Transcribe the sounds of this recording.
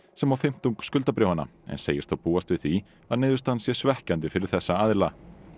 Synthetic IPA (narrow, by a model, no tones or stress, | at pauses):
sɛmawfɪm̥t̪uŋkskʏlt̪apɾoːwhanːa̰ɛ̰nseːjɪst̪θowpuːast̪vɪðθi | aðnɪːðʏst̪ansjɛsvɛhcant̪ɪfɪɾɪɾ̥θɛsːaaðɪla